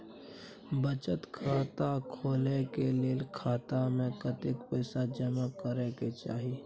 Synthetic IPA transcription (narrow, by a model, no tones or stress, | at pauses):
bət͡ʃət̪kʰaːt̪akʰoːlekeleːlkʰaːt̪amẽkət̪ɪkpɛːsad͡ʒəmakəɾeket͡ʃa̰ːɦi